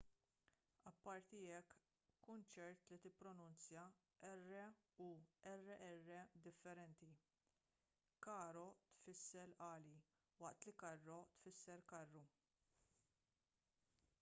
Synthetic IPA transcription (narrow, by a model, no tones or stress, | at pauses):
ɐpːɐɾt̪iɛkː | ʊnt͡ʃɛɾt̪lit̪ɪpːɾɔnʊnt͡sjɐ | ɛrːɛuɛrːɛʔɛrːɛd̪ɪfːɛɾɛnt̪i | kɐːɾɔt̪fɪsːɛlʔɐːli | wɐʔt̪likɐrːɔt̪fɪsːɛɾkɐrːu